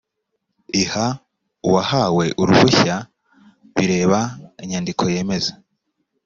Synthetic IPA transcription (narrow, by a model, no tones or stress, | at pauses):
iha | uwahawe̞ʔuɾuβuça | βiɾe̞ːβaiɲaːndikʰo̞je̞ːme̞zḁ